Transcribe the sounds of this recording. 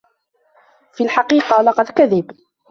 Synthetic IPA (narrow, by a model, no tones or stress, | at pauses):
filħɑqiːqɑlɑqɑd̪kaðɪb